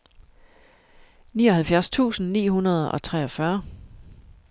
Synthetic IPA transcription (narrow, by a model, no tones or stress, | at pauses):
niːɒ̽hælfjæɐst͡sʰṵːsn̩nḭːɦunɐð̞ˠɒ̽t͡sʰʁɛɒ̽fɶɐ